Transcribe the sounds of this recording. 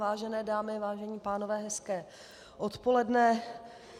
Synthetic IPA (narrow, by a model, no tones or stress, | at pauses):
vaːʒɛnɛːdaːmɪvaːʒɛɲiːpaːnovɛːɦɛskɛː | ʔot̪po̞lɛdnɛ